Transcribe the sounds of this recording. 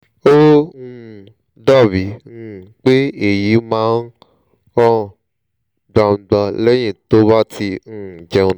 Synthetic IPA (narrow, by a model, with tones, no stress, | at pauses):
o˦ũ˦˧˦ | da˦˨vi˨˦ñ̩˦˨k͡pe˦e˨ji˨˦mãː˦n˦ | ɔ̃˦˨ | ɡ͡bã˧ũ˧ɡ͡bã˧lɛ˦j̃ĩ˦˨to˦ba˦ti˧ñ̩˦˨d͡ʒɛ̃˧